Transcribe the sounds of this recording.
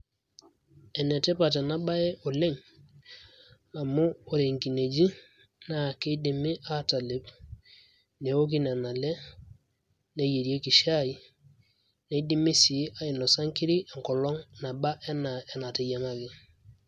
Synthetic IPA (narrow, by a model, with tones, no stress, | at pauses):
ɛ˨ne˨te˦pa˨t̬e˨na˦ba˦e˦ʔo˨le˦ŋ | a˨muː˦˨ɾe˨ŋki˨ne˨d͡ʒi˦ | na˨ke˦di˨mi˦ʔa˦ta˨le˨˦p | ne˨wo˦k̬i˦ne˨na˨le˦ | ne˨ji˨ɾi˨e˦ki˨ʃa˦˨ji˨ | ne˨˦di˦mi˦si˨˦ʔa˦i˨no˨sa˦ŋki˦ɾi˦ʔe˨ŋ˨kɔ˨lɔ˦ŋna˨ba˦ʔe˦na˨e˨na˨ti˨ja˨ŋa˦ɡi˨